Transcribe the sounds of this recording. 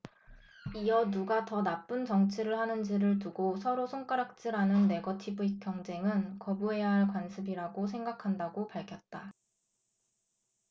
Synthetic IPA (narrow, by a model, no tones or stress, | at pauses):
iʌnuɡatʌnap͈ɯnt͡ɕʌŋt͡ɕʰiɾɯɭhanɯnd͡ʑiɾɯɭtuɡosʰʌɾosʰoŋk͈aɾak̚t͡ɕ͈iɾanɯnːe̞ɡʌtʰibuik͈jʌŋd͡ʑe̞ŋɯnkʌbuɦe̞jaɦaɭkwansʰɯbiɾaɡosʰe̞ŋɡakʰandaɡopaɭkʰjʌt̚t͈a